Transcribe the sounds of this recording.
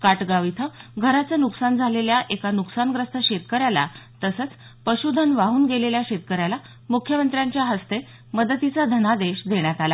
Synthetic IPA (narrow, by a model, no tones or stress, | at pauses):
kaʈɡaʋit̪ʰəɡʱəɾat͡sanuksand͡zʱaleljaʔekanuksanɡɾəst̪ʰəɕet̪kəɾjala̰t̪əsət͡s | pəɕud̪ʱənʋaɦuːnɡeleljaɕet̪̚kəɾjala | mukʰjəmənt̪ɾjaɲt͡ɕjaɦəst̪e | məd̪ət̪it͡sad̪ʱənad̪eɕd̪eɳjat̪ala